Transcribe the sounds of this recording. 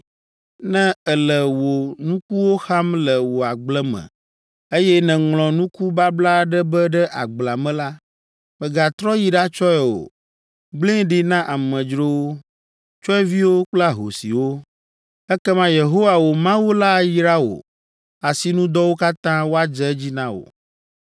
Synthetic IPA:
nɛ̃˦ɛ˨lə˨wo˨nũ˦ku˦wo˦xa˦mlə˨wo˨a˨ɡ͡blɛ˦mɛ̰̃˨ | e˦jɛ˦nɛ̃˨ŋlɔ̃˨nũ˦ku˦ba˦bla˦ɖɛ˦bɛ˦ɖɛ˦ʔa˨ɡ͡bla˨mɛ̃˦la˦ | mɛ̃˨ɡa˨t̪ɾɔ˦ji˦ɖa˦t͡ʃɔ˦ɛ˨wo̰˨ | ɡ͡blẽ˦ɖi˦nã˦ʔa˨mə̃˨d͡ʒɾo˦wo˦ | t͡ʃɔ˦ɛ˦vi˦wo˦k͡pla˦ɦo̰˨sḭ˨wo˦ | ɛ˦kɛ˦mã˦je˨ɦo˦wa˨wo˨mã˦wo˦la˦˨ji˦ɾa˦o̰˨ | a˨si˨nũ˦d̪ɔ˦wo˦ka˦t̪ã˦wo˦a˦d͡ʒɛ˦d͡ʑi˦nã˦o̰˨

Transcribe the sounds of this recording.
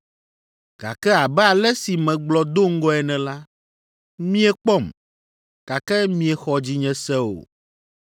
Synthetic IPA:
ɡ̥a̰˨kɛ˦a˨bɛ˦a˨lɛ˦si˨mɛ̃˨ɡ͡blɔ˨d̪o˦ŋ̩˦ɡɔ˦ɛ˨nɛ̃˨la˦ | mĩ˦ɛ˨k͡pɔ˦˨m | ka˨kɛ˦mĩ˦ɛ˨xɔ˨d͡ʑi˦ɲɛ̃˨sɛ˦o̰˨

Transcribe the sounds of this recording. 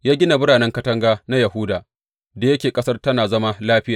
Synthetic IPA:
jaː˦ɡʲɪ˦na˨bʊ˦ɽaː˨nɛ˦ŋkɐ˦tɐ˦ŋɡaː˦na˦jɐ˨ɦʊ˦daː˨ | da˨jɐ˦kʲeː˨kʼɐ˦sɐ˦rtɐ˦naː˨zɐ˦ma˦laː˦ɸɪ˦jaː˨

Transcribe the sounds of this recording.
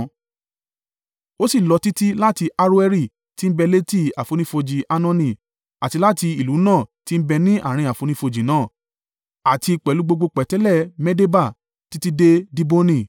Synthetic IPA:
o˦si˦˨lɔ˨˧ti˦ti˦la˦ti˧ʔa˧ɾu˦ɛ˧ɾi˦˨ | ti˦bɛ˧le˦ti˦˨a˨fo˨˧nĩ˦fo˧d͡ʒi˨ʔa˧nɔ̃˦˧nĩ˨ | a˨ti˧la˦ti˧i˨lu˨˦nãː˦˨ti˦m̩˦bɛ˧nĩ˦ʔa̰˦˨ɾ̃ĩ˧˨a˨fo˨˧nĩ˦fo˧d͡ʒi˨nãː˦˨ | a˨ti˧k͡pɛ˨lu˦ɡ͡bo˧ɡ͡bo˧k͡pɛ˨tɛ˦lɛ˦˨mɛ˦de˦ba˦˨ | ti˦ti˦de˦di˦bo˦nĩ˧˨

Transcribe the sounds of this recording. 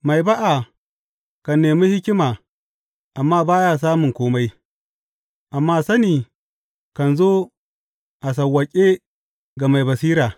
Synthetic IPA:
ma˨jba˦ʔa˨ | kɐ˨nːeː˨miː˦hɪ˦kʲɪ˦maː˨ | ʔa˨mːaː˦baː˦jaː˦s̬aː˦mʊ˨ŋkʷoː˦ma˦j | ʔa˨mːaː˦sɐ˦niː˨ | kɐ˨nzoː˦ | ʔa˨s̬ɐ˨wːɐ˨kʲʼe˦ | ɡa˨ma˨jbɐ˨siː˦ɾaː˨

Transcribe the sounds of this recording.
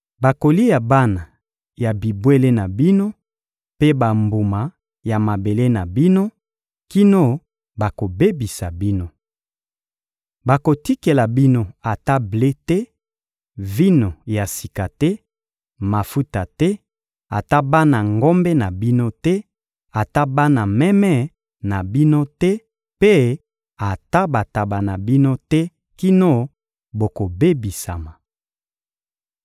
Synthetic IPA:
ba˨ko˨li˦ja˨ba˦na˨ | ja˨bi˨bwe˦le˦na˨bi˦no˦ | pe˦ba˨mbu˨ma˨ | ja˨ma˨be˨le˦na˨bi˦no˦ | ki˦no˦ | ba˨ko˨be˦bi˨sa˨bi˦no˦ | ba˨ko˨ti˦ke˨la˨bi˦no˦a˨ta˦ble˦tɛ˦ | vi˦no˨ja˨si̥˨ka˨tɛ˦ | ma˨fu˦ta˨tɛ˦ | a˨ta˦ba˦na˨ŋɡo˦mbe˦na˨bi˦no˦tɛ˦ | a˨ta˦ba˦na˨mɛ˦mɛ˦ | na˨bi˦no˦tɛ˦ | pe˦ | a˨ta˦ba˨ta˨ba˨na˨bi˦no˦tɛ˦ | ki˦no˦ | bo˨ko˨be˦bi˨sa̰˨ma˨

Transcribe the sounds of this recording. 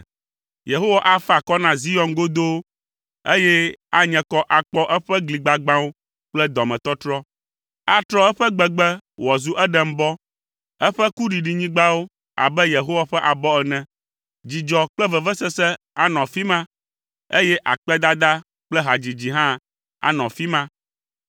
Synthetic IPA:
je˨ɦo˦wa˨ʔa˦fa˨kɔ˦nã˨zi˦jɔ˨nɡo˦d̪o˦w | e˦jɛ˦a˨ɲɛ̃˨kɔ˦ʔa˨k͡pɔ˦ʔɛ˦ɸɛ˦ɡli˨ɡ͡ba˨ɡ͡bã˦wo˦ | k͡plɛ˦d̪ɔ˨mɛ̃˨t̪ɔ˦t̪ɾɔ˦ | a˦t̪ɾɔ˦ɛ˦ɸɛ˦ɡ͡bɛ˨ɡ͡bɛ˦wɔ˨zu˦ʔɛ˦ɖɛ˨m̩˦bɔ˦ | ɛ˦ɸɛ˦ku˦ɖi˨ɖi˨ɲĩ˦ɡ͡ba˦wo˦ | a̰˨bɛ˦je˨ɦo˦wa˨ɸɛ˦ʔa˨bɔ˦ɛ˨nɛ̃˨ | d͡ʑi˨d͡ʒɔ˨k͡plɛ˦vɛ˨vɛ˦sɛ˦sɛ˦ | a˨nɔ̃˨fi˦mã˦ | ḛ˦jɛ˦ʔa̰˨k͡pɛ˦d̪a˦d̪a˦ | k͡plɛ˦ɦa˨d͡ʑi˨d͡ʑi˨ɦã˦ | a̰˨nɔ̃˨fi˦mã˦

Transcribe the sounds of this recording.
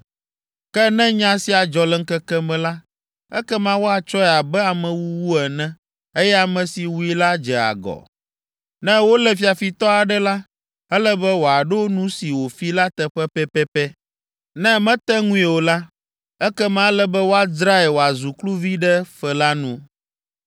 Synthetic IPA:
kɛ˦nɛ̃˦ɲã˦si˦a˨d͡ʒɔ˨lɛ˦ŋ̩˦kɛ˦kɛ˦mɛ̃˨la˦ | ɛ˦kɛ˦mã˦wo˦a˨t͡ʃɔ˦ɛ˨a˨bɛ˦a˨mɛ̃˨wu˦wu˦ɛ˨nɛ̃˦ | e˦jɛ˦a˨mɛ̃˨si˨wu˦i˦la˦d͡ʒɛ˨a̰˨ɡɔ̰˨ | nɛ̃˦wo˦lɛ˨fi˨a˨fi˨t̪ɔ˦a˨ɖɛ˦la˦ | ɛ˦lɛ˦bɛ˦wo˨a˨ɖo˦o˦nũ˦si˨wo˨fi˦la˦t̪ɛ˨ɸɛ˦pɛ˦pɛ˦pɛ˦ | nɛ̃˦mɛ̃˦t̪ɛ˦ŋũ˦i˨wo˨la˦ | ɛ˦kɛ˦mã˦lɛ˦bɛ˦wo˦a˨dɾa˦ɛ˨wo˨a˨zu˨klu˦vi˦ɖɛ˦fɛ˨la˦nũ˦

